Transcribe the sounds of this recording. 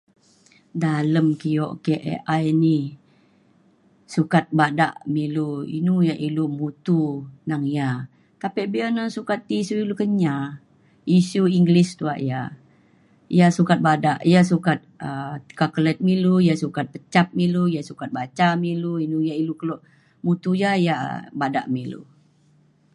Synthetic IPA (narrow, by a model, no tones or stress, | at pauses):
daləmkijɔʔkɛʔʔajni | sukat̪̚bada̰ʔmiluḭnujaʔilumut̪unaŋja | t̪apɛʔbianaŋsukat̪̚ːisuilokəɲa | isuiŋɡlist̪ua̰ʔja | jasukat̪̚badaʔjas̬ukat̪̚əkakəlɛt̪̚milujasukat̪̚pət͡ʃap̚milujasukat̪̚bat͡ʃamiluinujailukəlɔʔ | mut̪ujaja̰bada̰ʔmilṵ